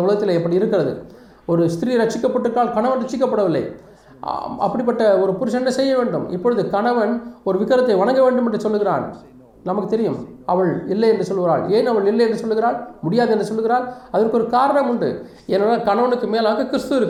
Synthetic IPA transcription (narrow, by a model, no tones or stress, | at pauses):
ʊɭɐɣɐt̪ːɪleːɛpːɐɽiɪɾɯkːɪrɐðɯ̰ | ɔɾɯst̪ɪɾiːɾɐt͡ʃːɪkːɐpːɐʈːɯkːaːlkɐɳɐʋɐnɾɐt͡ʃːɪkːɐpːɐɽɐʋɪlːɐ̰ɪ | ʔɐ̰pːɐɽɪp̬ːɐʈːɐɔɾɯpʊɾɯʂɐnːɐsɛjːɐʋeːɳɖɯ̰mɪ̰pːɔɻɯðɯkɐɳɐʋɐnɔɾɯʋɪkːɐɾɐt̪ːɐɪʋɐɳɐŋɡɐʋeːɳɖɯmɛndrɯsɔlːɯɣɪɾa̰ːn | nɐmɐkːɯt̪ːɛɾɪjɯmɐʋɐɭɪlːɐjɛndrɯsɔlːɯɣɪɾa̰ːɭeːnɐʋɐɭɪlːɐɪɛndrɯsɔlːɯɣɪɾaːlmʊɽɪjaːðɯɛndrɯsɔlːɯɣɪɾaːlɐðɐrkɯɔɾɯkaːɾɐɳɐmʊɳɖɯ̰ | ɛnɐnːaːkɐɳɐʋɐnɯkːɯmeːlaːɣɐkɪɾɪst̪ɯɪɾɯkːɯ